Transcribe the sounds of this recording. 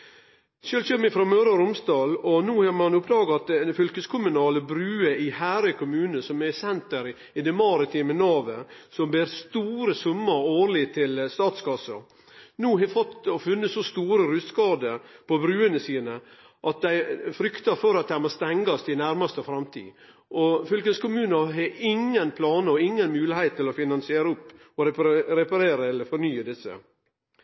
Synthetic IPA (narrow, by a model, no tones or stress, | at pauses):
ʃøːlçømɪfɾɑmøːɾɑɾʊmsd̪ɑːlɔnuːhɑmɑnʊpːd̪ɑːɡɑt̪ɛfʏlkəskʰʊmʉnɑːləbɾʉːəɪhæːɾəkʰʊmʉːnəsɔmɛsɛnt̪̚əɾ | ɪd̪ɛmɑːɾət̪ʰɪmənɑːʋəsɔmbeːɾst̪uːɾəsʊmːəɾoːɾlɪt̪ʰɪlst̪ɑːt̪skɑsɑ̰ | nuːɦɑfɔt̪ːɔfʉnːəsɔst̪uːɾəɾʉskɑːd̪əpʰɔbɾʉːənəsiːnə | ʔɑt̪̚d̪æɪfɾʏkt̪ɑɾfɔɾɑt̪̚d̪æɪmost̪ɛŋɡɑst̪ʰɪnæɾmɑst̪əfɾɑmt̪ʰḭː | ʔɔfʏlkənskʊmʉːnəɾɦɛʔɪŋːənpʰlɑːnəɔɪŋːənmʉːlɪhæɪt̪ːɪlɔfɪnɑnsɪeːɾəʊpː | ɔɾɾɛpɑɾeːɾəɛlːəɾfɔɾnyːəd̪ɪsːə̰